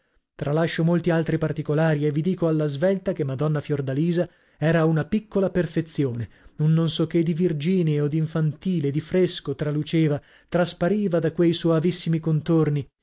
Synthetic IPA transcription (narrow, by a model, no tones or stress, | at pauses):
t̪ɾalaʃːomolt̪ialt̪ɾipart̪ikolaːɾievːid̪iːkoalːazvɛlt̪akemːad̪ɔnːafjord̪aliːza | ɛːɾaunapikːolaperfet̪sːjoːne | nonːonsɔk̟ːed̪ivird͡ʒiːneod̪iɱfant̪iːled̪ifɾeskot̪ɾalut͡ʃeːva | t̪ɾaspaɾiːvad̪akwejsoavisːimikont̪orni